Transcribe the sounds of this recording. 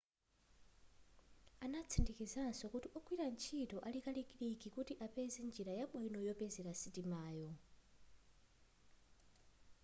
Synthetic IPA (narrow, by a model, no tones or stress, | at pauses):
anat͡sʰindikizansɔkutiʔɔkʰwiɾant͡ʃʰitɔʔalikalikʼiɾikikutiʔapɛzɛnd͡ʒiɾajamwɛnɔjɔpɛzɛɾasitimaːjɔ